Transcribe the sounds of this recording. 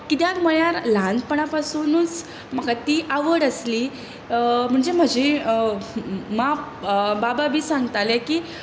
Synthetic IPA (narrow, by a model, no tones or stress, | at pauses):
kit̪jakməɭjaɾlãnd̪pəɳapasunuːt͡s | məkat̪iːʔaʋəɽəsliː | m̤əɳd͡zem̤əd͡ʑe | mabababʱiːsãŋɡt̪alɛkiː